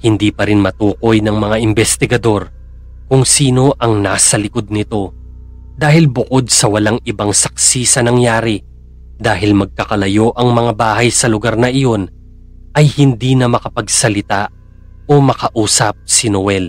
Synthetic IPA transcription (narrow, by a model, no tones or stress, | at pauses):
hɪnd̪iːpɐɾɪnmɐt̪uːko̞jnɐŋmɐŋaʔɪmbɛst̪ɪɡɐd̪o̞ɾ | kʊŋsiːno̞ʔɐŋnaːsɐlɪko̞d̪̚nɪt̪o̞ | d̪aːhɪlbʊko̞d̪̚sɐwɐlaŋɪbaŋsɐk̚sisɐnɐŋjaːɾɪ | d̪aːɦɪlmɐɡ̚kɐkɐlɐjo̞ʔɐŋmɐŋabaːɦɐjsɐlʊɡaɾnɐʔɪjo̞n | ʔɐjhɪnd̪iːnɐmɐkɐpɐɡsɐlɪt̪a | o̞mɐkɐʔuːsɐp̚sɪnowɛl